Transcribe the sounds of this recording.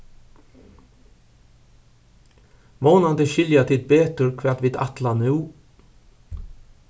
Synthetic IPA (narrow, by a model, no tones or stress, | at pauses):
moːnɑd̪əʃʏljɑt̪ʰɪːt̪̚beːt̪ʉɾkʰʋæːt̪ʋiːd̪ɑ̰t̪lɑnʉː